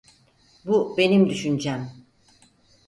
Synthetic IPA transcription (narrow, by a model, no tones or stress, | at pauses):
bube̞nimd̪yʃynd͡ʒæm